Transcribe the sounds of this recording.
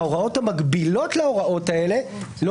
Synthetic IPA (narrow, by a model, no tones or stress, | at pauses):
oʁao̞thamaɡbilo̞tleoʁao̞tae̞le̞ | l